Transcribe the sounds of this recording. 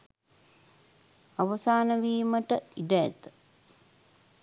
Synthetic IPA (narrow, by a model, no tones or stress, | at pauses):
aʋəsaːnəʋiːməʈəiɖəæ̰t̪ə̥